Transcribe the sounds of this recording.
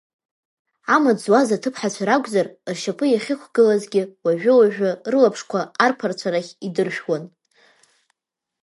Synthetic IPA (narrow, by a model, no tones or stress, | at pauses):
amad͡zwazatʰɨpʰħat͡ɕʷʰaɾaɡʷʼzarrʃapʰɨjaχʲɪχʷʰɡɨlazɡʲɪwaʒᶣʷʊwaʒᶣʊrlapʰʂkʷʰaːrpʰart͡ɕʷʰaɾaχʲidɨrʃᶣwan